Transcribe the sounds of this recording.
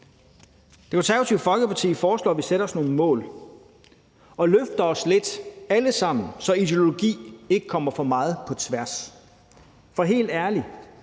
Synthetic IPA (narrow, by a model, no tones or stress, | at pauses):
d̥e̝kʰonsʰæʊt͡sʰiʊfɒ̽lɡ̥əpʰɑ̈t͡sʰḭːfɒːslɔ̰ːʋiseɾ̥ɐɒ̽sno̝ːn̩mɔ̰̽ːl | ɒ̽løfd̥ɐɒ̽sle̝d̥æləsɑ̈m̰n̩sɒ̽id̥eo̝lo̝ɡ̥ḭːe̝ɡ̥əkʰɒ̽m̰ɐfɒ̽mɑ̈ːð̞̩ˠpʰɒ̽t͡sʰʋæɐs | fɒ̽ɦe̝̰ːld̥æɐli